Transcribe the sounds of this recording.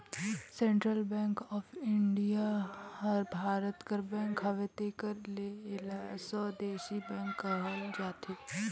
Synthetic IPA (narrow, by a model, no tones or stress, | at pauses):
sẽɳʈɾəlbɛ̃ːŋkɔːfʰɪɳɖijahɐɾbʱaːɾət̪kəɾbɛ̃ːŋkɦɐʋet̪ekɐɾlelasɔːd̪eːʃibɛ̃ːŋkːəɦəld͡ʒaːt̪ʰiː